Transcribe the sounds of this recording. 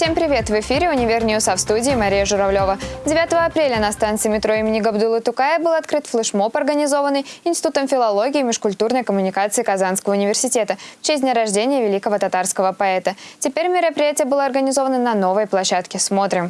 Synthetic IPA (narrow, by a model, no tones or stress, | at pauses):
fsʲempɾʲɪvʲe̞t̪vɪfʲiɾʲɪʊnʲɪvʲernʲɪjʊsafst̪udʲɪːmɐɾʲijəʐʊɾɐvlʲo̞vədʲɪvʲat̪əvəɐpɾʲelʲənɐst̪ant̪sɨɪmʲɪt̪ɾo̞imʲɪnʲɪɡɐbd̪ulˠɨt̪ʊkaɪbɨlˠɐt̪kɾɨt̪flˠɨʂmo̞pɐrɡənʲɪzo̞vənːɨjɪnsʲɪt̪ut̪əmfʲɪlˠɐlˠo̞ɡʲɪːmʲɪʂkʊlʲt̪urnəjkəmʊnʲɪkat̪sɨɪkɐzanskəvəʊnʲɪvʲɪrsʲɪtʲe̞t̪ət͡ɕesʲd̪ʲnʲaɾɐʐdʲenʲɪjəvʲɪlʲikəvət̪ɐt̪arskəvəpɐɛt̪ətʲɪpʲeɾʲmʲɪɾəpɾʲɪjætʲɪjəbɨlˠəɐrɡənʲɪzo̞vənənɐno̞vəjplˠɐɕːat̪kʲɪsmo̞t̪ɾʲɪm